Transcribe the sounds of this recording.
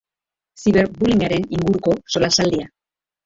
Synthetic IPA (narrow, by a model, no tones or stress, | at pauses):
siβe̞ɾbuliŋɡaɾe̞niŋɡuɾuko̞so̞lasald̪ia